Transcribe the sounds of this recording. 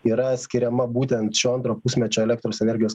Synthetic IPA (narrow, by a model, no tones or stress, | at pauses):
iːɾɐsʲkʲɪɾʲɛmɐbuːt̪ʲɛnt̪ʃʲoːɐnt̪ɾoːpʊsʲmʲɛt͡ʃʲoːɛlʲɛk̚t̪ɾoːsɛnʲɛɾʲɡʲɪjoːs